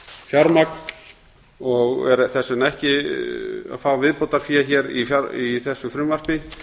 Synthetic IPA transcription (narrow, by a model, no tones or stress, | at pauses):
fjaɾmak̚n | ɔɣɛ̰ɾθɛsʏnɛhcɪ | a̰ðfaːwavɪðpowt̪aɾ̥fiaçɛɾḭfjaɾiθɛsːʏfɾʏmvar̥pɪ